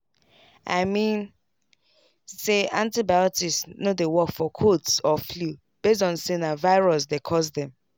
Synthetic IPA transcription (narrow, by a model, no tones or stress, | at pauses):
a̰ɪmĩn | seãntibaɪɔtissnodewɔkfɔkʰotsɔflu | b̥es̬tɔ̃nsinavaɪɹɔsdekʰɔsdɛ̃m